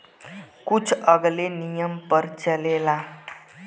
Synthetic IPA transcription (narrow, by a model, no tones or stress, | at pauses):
kut͡sʰəɡlenijəmpəɾt͡səlela